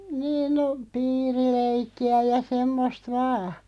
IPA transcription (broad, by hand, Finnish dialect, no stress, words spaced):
niːn no piːrileikːiæ jɑ semːost ʋɑː